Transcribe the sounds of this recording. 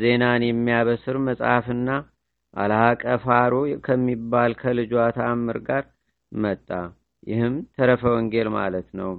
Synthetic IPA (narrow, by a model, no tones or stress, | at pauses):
ze̞nanjɛmːijaβəsɨɾməsʼafɨnːa | ʔaləhakʼəfaɾokʰəmːibːalkʰəlɨd͡ʒwat̪ʰamːɨɾɡaɾ | mət̪ʼːa | jɪhɨmt̪ʰəɾəfəwɔŋɡe̞lma̰lət̪nəw